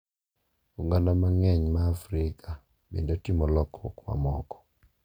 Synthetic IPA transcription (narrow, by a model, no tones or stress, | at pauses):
uŋɡanamaŋɛɲmaːfɾikʰa | bḛndotimɔlɔkʰɔ̰kma̰mɔkɔ̥